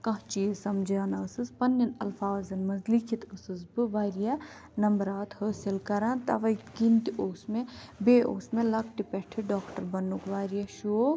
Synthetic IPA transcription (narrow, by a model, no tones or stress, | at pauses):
kɐɦt͡ʃiesɐmd͡ʒaːnɐːsɨspɐnːjɐnɐlfaːzɐnmɐzlikʰit̪ɨsɨzbɨʋaːɾijɐ | nɐmbɾaːt̪həːsilkɐɾãːnt̪ɐ̰ʋɐjt̪kint̪iʔoːsmẽbeːʔoːsmẽlɐk̚ʰʈipɛʈʰɨɖaːkʈɐɾbɐnːukʋaːɾijɐʃoː